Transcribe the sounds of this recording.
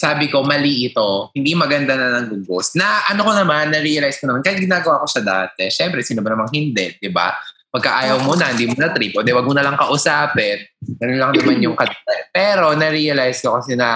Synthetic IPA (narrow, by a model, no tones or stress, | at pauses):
saːbɪko̞mɐliʔɪt̪o̞hɪnd̪imɐɡɐnd̪anɐnɐŋɡʊɡosnɐʔɐno̞ko̞nɐmanːɐɾiːɐlajskonɐmankɐjɪt̪̚ɡɪnaːɡɐwaːko̞ʃaɐd̪a̰ːt̪ɛʃɛmpɾɛsiːnomɐnɐmɐŋhɪnd̪ɛd̪̥ɪba̰pɐɡkɐʔaːjɐwmonɐhɐnd̪iːmonɐt̪ɾip̚ʔod̪ɛwaːɡ̚monɐlɐŋkɐʔʊsaːpɛnɡɐnonlɐŋnɐmanjʊŋkɐd̪ɐapɛːɾo̞nɐɾiːɐlajskokɐsɛnɐ